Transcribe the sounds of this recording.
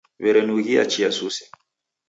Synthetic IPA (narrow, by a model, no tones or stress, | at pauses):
vɛɾɛnuɣia̰t͡ʃiasusɛ̥